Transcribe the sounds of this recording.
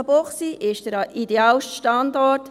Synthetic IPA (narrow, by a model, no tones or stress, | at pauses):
boχsiʔɪʃd̥əɾɑʔideɑːlʃʃtɑnd̪ɔt